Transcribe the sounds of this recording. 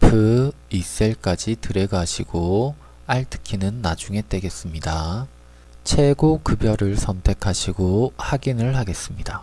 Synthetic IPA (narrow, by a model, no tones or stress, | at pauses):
pʰɯis͈eɭk͈ad͡ʑitɯɾe̞ɡaɕʰiɡo | aɭtʰɯ̥kʰinɯnːad͡ʑuŋe̞t͈e̞ɡe̞s͈ɯmɲida | t͡ɕʰe̞ɡokɯbjʌɾɯɭsʰʌmtʰe̞kʰaɕʰiɡohaɡinɯɭhaɡe̞s͈ɯmɲida